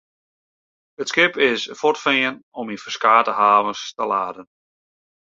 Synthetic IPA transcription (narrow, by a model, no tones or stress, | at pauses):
ətskɪpɪsfɔtfɪənɔmifə̥skaːtəɦaːvənstəla̰ːdən